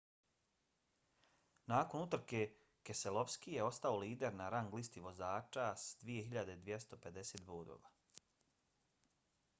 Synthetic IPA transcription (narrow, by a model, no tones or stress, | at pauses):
naːko̞nut̪r̩ke̞ | keselˠo̞ʋskijeo̞st̪aoliːd̪e̞ɾnaɾaŋɡlist̪iʋo̞zaːt͡ʃasad̪ʋije̞ɦiʎad̪e̞d̪ʋjest̪o̞pe̞d̪eseːt̪boːd̪o̰ːʋa